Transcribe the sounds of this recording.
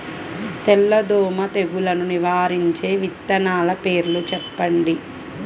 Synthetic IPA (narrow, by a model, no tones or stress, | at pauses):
t̪ɛlːɐd̪ɔːmɐt̪eɡulɐnuniʋaːɾiɲt͡ʃe̞ːʋit̪ːɐnaːlɐpe̞ːɾlut͡ʃɛpːɐɳɖi